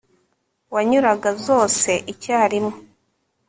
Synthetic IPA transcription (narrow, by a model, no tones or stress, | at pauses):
waɲuɾaɡazo̞ːse̞ʔicaːɾimo